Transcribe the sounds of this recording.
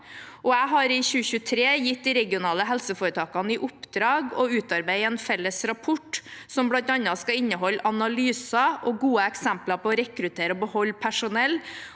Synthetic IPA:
ʔɔæɪɦɑɾɪçʉːəçʉːət̪ʰɾeːjɪt̪̚d̪iɾɛɡɪʊnɑːləɦɛlsəfoːɾət̪ʰɑːkɑnəɪʔʊpd̪ɾɑːɡɔʉːt̪ɑɾbæɪɛnfɛlːəsɾɑpʰɔʈsɔmblɑnt̪ɑnɑskɑɪnːəɦɔlːɑnɑlyːsɑʔɔɡuːəɛksæmplɑpɔːɾɛkɾʉt̪ʰeːɾəɔbəhɔlːpʰæʂʊnɛlː

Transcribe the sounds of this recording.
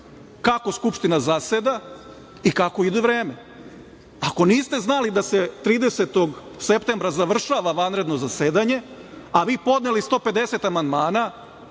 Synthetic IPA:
kako̞skupʃt̪inazased̪a | ikako̞id̪uʋɾeːme | ako̞niːst̪e̞znalid̪aset̪ɾiːd̪eset̪o̞ɡ | se̞pt̪e̞mbɾazaʋr̩ʃaʋaʋanɾe̞d̪no̞zaseːd̪aɲe̞aʋiːpo̞d̪nelist̪o̞ːpe̞d̪e̞set̪amand̪maːna

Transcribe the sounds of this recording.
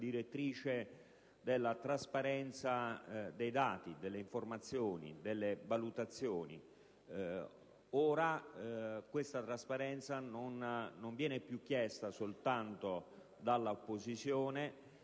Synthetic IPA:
d̪iɾet̪ːɾiːt͡ʃe | d̪elːat̪ɾaspaɾɛnt̪sad̪ejd̪aːt̪id̪elːeiɱformat̪sːjoːnḭd̪elːevalut̪at̪sːjoːnḭ | oːɾa | kwest̪at̪ɾaspaɾɛnt̪sanonːoɱvjɛːnepjuk̟ːjɛst̪asolt̪ant̪o | d̪alːaopːozit̪sjoːne

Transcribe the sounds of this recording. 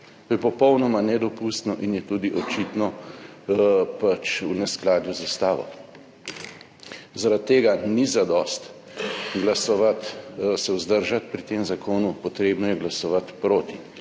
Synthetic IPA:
t̪oːjɛpɔpɔwnɔmanɛd̪ɔpust̪nɔʔinjɛt̪uːd̪iʔɔt͡ʃit̪nɔ | pat͡ʃunɛsklaːd̪juzast̪aːʋɔ̰ | zaɾat̪ːeːɡanizad̪ɔst̪ | ɡlasɔʋat̪sɛwzd̪əɾʒat̪pɾit̪eːmzakoːnupɔt̪ɾeːbnɔjɛɡlasɔʋat̪pɾoːt̪i

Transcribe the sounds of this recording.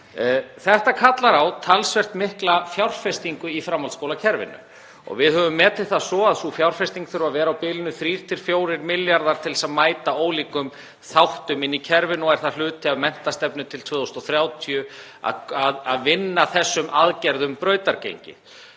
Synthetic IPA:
θɛht̪akʰat̪laɾawt̪ʰalsvɛr̥t̪mɪhklafjawr̥fɛst̪iŋkʏifɾaːmalskowlacʰɛɾvɪ̰nːʏ̰ | ɔ̰ɣvɪðhœvʏmːɛːt̪ɪ̥θasɔːaðsufjawr̥fɛst̪iŋkθʏɾvaðvɛːɾawpɪːlɪnʏθɾiːɾ̥t̪ʰɪl̥fjoːwɾɪɾmɪljaɾðaɾ̥t̪ʰɪlsaðmaːjt̪aoːwliːkʏm | θawht̪ʏmɪnːicʰɛɾvɪnɔɣɛɾ̥θal̥ʏːt̪ʰɪaðmɛn̥t̪ast̪ɛpnʏt̪ʰɪlt̪ʰvœːðowst̪ɔθɾjaːwt̪ʰiʏ | a̰aðaðvɪnːaθɛsːʏmʔaðcɛɾðʏmpɾœːɥt̪aɾcḛjɲcɪ̰

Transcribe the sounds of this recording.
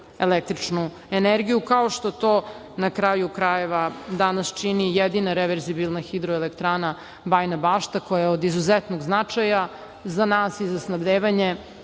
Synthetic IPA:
elek̚t̪ɾit͡ʂnu | eneɾɡijukao̞ʃt̪o̞t̪o̞ː | nakɾajukɾaje̞ʋad̪anast͡ʃinijed̪inaɾeʋeɾzibilˠnaxid̪ɾoelekt̪ɾaːna | bajnabaːʃt̪akojaeod̪izuzet̪noɡznat͡ʂaja | zanaːsizasnabd̪eːʋaɲe̞

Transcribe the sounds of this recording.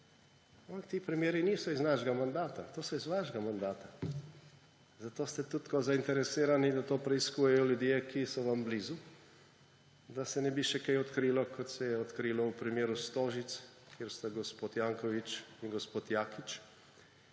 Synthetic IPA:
ampakt̪iːpɾɛmjeːɾiniːsɔiznaʃɡamand̪aːt̪at̪oːsɔizʋaːʒɡamand̪aːt̪a | zat̪oːst̪ɛt̪ut̪kɔzaint̪ɛɾɛsiːɾanid̪at̪oːpɾɛiskujɛjɔljud̪jekʰisɔʋambliːzu | d̪asɛnɛbiʃɛkajɔt̪kɾilɔkʰɔt̪sɛjɛɔt̪kɾiːlɔupɾimjeːɾust̪oːʒit̪s | kʰjeːɾst̪aɡɔspoːt̪jaŋkɔʋit͡ʃiŋɡɔspoːt̪jaːkit͡ʃ

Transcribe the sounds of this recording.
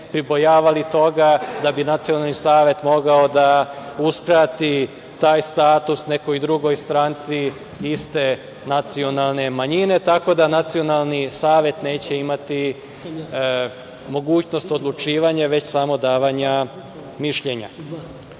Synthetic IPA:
pɾibo̞jaːʋalit̪o̞ɡad̪abinat̪sio̞nalnisaːʋe̞t̪mo̞ɡaod̪auskɾaːt̪i | t̪aːjst̪aːt̪usne̞ko̞jd̪ɾuɡo̞jst̪ɾaːnt̪si | ist̪e̞ | nat̪sio̞nalˠne̞maɲine̞t̪ako̞d̪anat̪sio̞nalˠnisaːʋje̞t̪ne̞ːt͡ɕe̞imat̪i | mo̞ɡuːt͡ɕno̞st̪o̞d̪lˠut͡ʃiːʋaɲaʋe̞t͡ɕsamo̞d̪aːʋaɲa | miʃʎe̞ɲa̰

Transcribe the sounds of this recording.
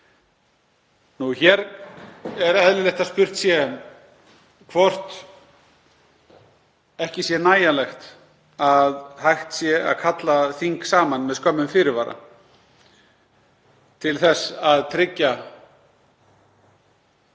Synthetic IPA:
nuçɛɾ | ɛɾɛðlɪlɛjht̪aspʏr̥t̪sjɛ | kʰvɔr̥t̪ | ɛhcɪsjɛnaːjalɛxt̪ | aðhajxt̪sjɛa̰ðkʰat̪laθiŋksaːmanmɛðskœmːʏmfɪɾɪɾvaːɾa̰ | t̪ʰɪlθɛsaðt̪ʰɾɪcːa

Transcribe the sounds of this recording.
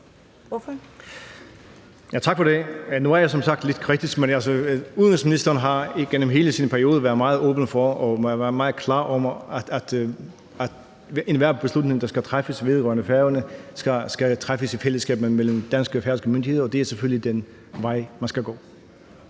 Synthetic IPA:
jæt͡sʰɑ̈ɡ̥fɒɾe̝no̝æɐjɑsɒ̽msɑ̈ɡ̥̚d̥le̝d̥kʰʁid̥ʰisɡ̥menælsəuðˠənsminisd̥ɐnɦɑ̈iɡ̥enəmɦe̝ːləsinpʰæɐio̝ːðˠɐʋæɐðˠmɑ̈ːð̞̩ˠɔ̽ːb̥ən̩fɒɒæʋæɐmɑ̈ːð̩ˠkʰlɑ̰̈ːʔɒ̽mæ̥æd̥ | æ̥ | ʔenʋæɐb̥e̝slud̥ne̝ŋd̥ɑ̈sɡ̥æt͡sʰʁafəsʋe̝ðˠʁœ̰ɐnəfæɐɐnəsɡ̥æsɡ̥æt͡sʰʁafəsifeləsɡ̥ɛ̰ːb̥n̩mel̰m̩d̥ænsɡ̥əfæɐsɡ̥əmøndihe̝ðˠɐɒd̥e̝æɐseføllid̥en | ʋɑ̈ɪ̰mænsɡ̥æɡ̥ɔ̰ː

